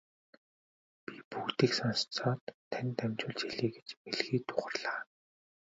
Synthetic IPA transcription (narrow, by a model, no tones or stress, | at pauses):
pʲipukt̪iːksɔnst͡sɔːt̪ʰːænʲt̪æmʲt͡ɕʊːɮt͡ɕʰiɮiːɡe̥t͡ɕmeɮɣiːt̪ʰʊ̥χə̆rɮaː